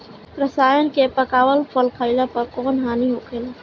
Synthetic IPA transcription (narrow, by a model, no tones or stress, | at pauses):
ɾəsaːjənkepəkaːwəlpʰəlkʰaɪlapɐɾkɔːnɦaːniɦokʰel